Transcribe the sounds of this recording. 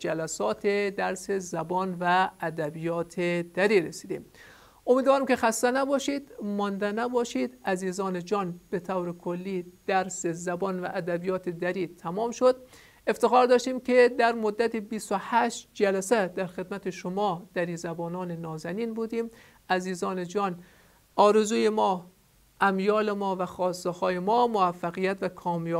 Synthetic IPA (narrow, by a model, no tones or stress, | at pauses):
d͡ʒælæsɒːt̪ʰed̪æɾsezæbɒːnvæːd̪æbijɒːt̪ʰed̪̥æɾiːɾesiːd̪ḭːm | ʔomiːd̪vɒːɾimkʲe̞xæst̪ænæbɒːʃid̪mɒnd̪ænæbɒːʃid̪æziːzɒːned͡ʒɒːnb̥et̪ʰæwɾekʰolːiːd̪̥æɾsezæbɒːnvæʔːd̪æbijɒːt̪ʰed̪æɾiːt̪ʰæmɒːmʃod̪̚ | e̞ft̪exɒːɾd̪ɒːʃt̪iːmked̪æɾmod̪ːæt̪ʰibist̪ohæʃt̪d͡ʒælæsæd̪æɾxe̞d̪mæt̪ʰeʃomɒːd̪̥æɾiːzæbɒːnɒːnenɒːzæniːnbuːd̪iːm | æziːzɒːned͡ʒɒːn | ɒːɾezuːjemɒː | ʔæmjɒːlemɒːvæxɒːst̪ehɒːjemɒːmoæfːæɣijæt̪vækʰɒːmjɒː